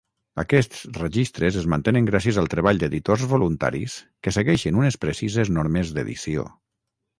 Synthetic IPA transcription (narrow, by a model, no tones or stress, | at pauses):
əkɛst͡srəʒist̪ɾəzəzmənt̪enəŋɡɾasiəzəlˠt̪ɾəβaʎd̪eðit̪ozβolunt̪a̰ɾis | kəsəɣɛʃənunəspɾəsizeznoɾmezd̪ḛðḭsio̰